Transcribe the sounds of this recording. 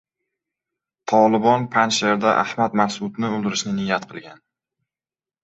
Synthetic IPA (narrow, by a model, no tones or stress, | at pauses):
t̪ʰɒlˠɪbɒnpʰanʃeɾd̪aʔa̰hmad̪masʊd̪nɪʊlˠd̪ɪɾɪʃnɪnɪjːat̪̚qʰɨlˠɡʲan